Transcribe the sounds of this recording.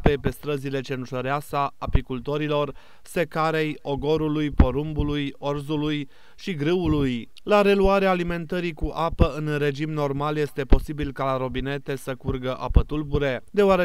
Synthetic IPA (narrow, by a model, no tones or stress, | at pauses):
pe̞pe̞st̪ɾəzile̞t͡ʃe̞nʒəɾeasaːpikult̪o̞ɾilo̞r | se̞kaɾe̞jo̞ɡo̞ɾulujpo̞ɾumbulujo̞rzuluj | ʃiɡɾɨuluj | laɾe̞luaɾeaːlime̞nt̪əɾikuʔapəɨnre̞d͡ʒimno̞rmalje̞st̪e̞po̞sibilkalaɾo̞bine̞t̪e̞səkurɡəʔa̰pət̪ulbuɾe̞d̪e̞oaɾe